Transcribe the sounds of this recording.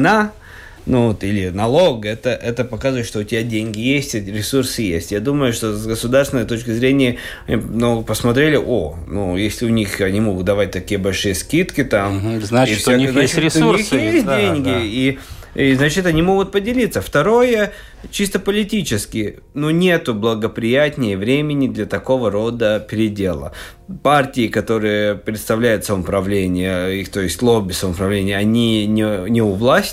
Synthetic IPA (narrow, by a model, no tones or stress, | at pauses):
na | nuot̪ilʲɪnɐlˠoɡɛt̪əʔɛt̪əpɐkazəvəɨt̪ʂt̪oʊtʲɪbʲadʲenʲɡʲɪjesʲtʲɾʲɪsursɨjḛsʲtʲjad̪uməjʊʂt̪o̞sɡəsʊd̪arst̪ʲɪnəjət̪o̞t͡ɕkʲɪzɾʲenʲɪjə | noɡpəsmɐt̪ɾʲelʲɪʔo | nujesʲlʲɪʊnʲixɐnʲimo̞ɡʊt̪̚d̪ɐvat̚ʲt̪ɐkʲijəbɐlʲʂɨjəskʲit̪kʲɪt̪amznaifsakɛznat͡ɕɪtɾʲɪt̪ʊunixsjesʲt̚ʲdʲenʲɡʲɪi | iznat͡ɕɪt̪ɐnʲimo̞ɡʊt̪̚pədʲɪlʲit̪sːəft̪ɐɾo̞jə | t͡ɕist̪əpəlʲɪtʲit͡ɕɪskʲɪj | nunʲe̞t̪ʊblˠəɡəpɾʲɪjat̪ʲnʲɪjəvɾʲemʲɪnʲɪd̪lʲɐt̪ɐko̞vəɾo̞d̪əpʲɪɾʲɪdʲe̞lˠə̰ | partʲɪɪkɐt̪o̞ɾɨjəpɾʲɪt̪st̪ɐvlʲæjʊt̪səməmpɾɐvlʲenʲɪjəixt̪o̞jɪsʲtʲlˠobʲɪsəməpɾɐvlʲenʲɪjəɐnʲinʲɪnʲɪʊvlˠasʲtʲ